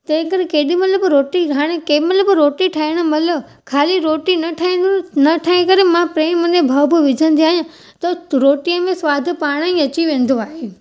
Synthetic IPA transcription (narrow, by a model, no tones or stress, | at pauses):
t̪ɐ̃ɦɪ̃kɐɾekeːɗimɐt̪ləbɾoːʈiaːɽ̃ekeːmɐləbɾoːʈiʈʰaːiɽ̃ə̆mɐlə | kʰaːliɾoːʈinɐʈʰaːẽnɐʈʰaːẽkɐɾemãpɾeːmənẽbʱɐːbʊʋɪd͡ʑʱə̃nd̪iaːɦijã | t̪ɐɾoːʈiəmẽsʋaːd̪̆ʱpaːɽ̃aĩɐt͡ɕiʋẽːn̆d̪oaːɦe